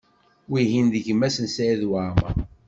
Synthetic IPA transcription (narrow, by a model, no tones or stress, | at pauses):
wiɦinðəʝəmːæsənsaðwama̰